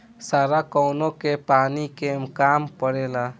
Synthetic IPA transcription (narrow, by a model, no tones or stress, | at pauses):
saɾakɔwnokepanikemkampəɽela